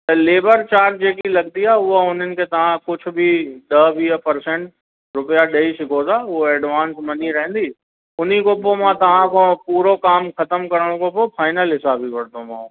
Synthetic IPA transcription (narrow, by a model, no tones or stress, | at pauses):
t̪ɐleːbəɾt͡ɕaːɾd͡ʑeːkilɐɡt̪iaːʊɦoʊn̤ənɪ̆kʰeːt̪ɐʋ̤ãkʊd͡ʑʰʊ̆bɪɗɐʋiːɦəpɐɾsɛ̃ɳʈ | ɾʊpijaɗɐiʃɪkʰot̪ʰaːʊoɛːɖʋaːnsmɐniɾɐɦɛ̃n̆d̪i | ʊn̤ikopomãt̪ɐʋ̤ãkʰopuːɾokaːmxɐt̪əmkɐɾəɽ̃õkʰopofaːɪnəlɦɪsaːbiʋɐɽt̪ʰomã̰ː